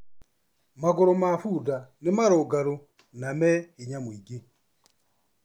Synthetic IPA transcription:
maɡɔɾɔmafudanimaɾɔɡaɾu | namɛiɲamwiɡi

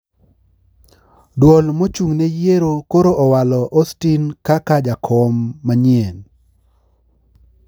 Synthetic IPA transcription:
dwɔlmot͡ʃuŋnejeɾokoɾoʔɔwalɔʔɔstinkakad͡ʒakʰɔmːaɲien

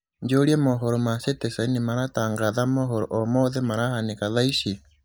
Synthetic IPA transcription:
ɲd͡ʒoɾjemoɦoɾomasetesainimaɾataːŋɡaðamoɦoɾoʔomoðemaɾahanikaðaiʃi

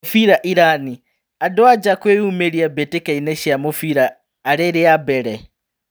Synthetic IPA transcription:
fiɾaʔiɾani | adoad͡ʒakweumeɾiabetekainɛʃjamofiɾaː | ɾeɾeabɛɾɛ

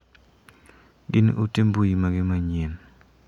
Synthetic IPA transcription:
ɡɪnʔṵtembujimaɡɪmaɲen

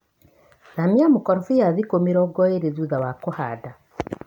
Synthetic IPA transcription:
namiamukɔɾfijaðikomiɾɔɡɔeɾezuðawakohada

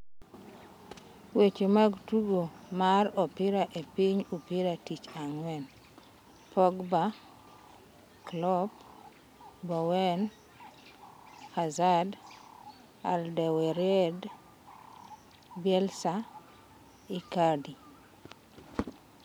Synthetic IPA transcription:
wet͡ʃemaɡtuɡomaɾɔpiɾaʔepiɲupiɾatit͡ʃaŋwɛn | pʰɔɡba | klɔp | bɔwɛn | hazad | aldɛwɛɾɛd | bɛlsa | ikadi

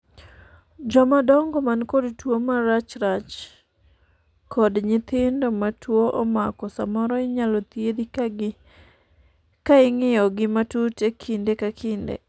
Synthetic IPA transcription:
d͡ʒɔmadɔŋɡɔmankɔdtwomaɾat͡ʃɾat͡ʃ | kɔdɲɪt̪ɪndomatwoʔɔmakɔsamɔɾɔɪɲalɔt̪jedi | kaɪŋɪjɔɡɪmatutekʰindekakindḛ

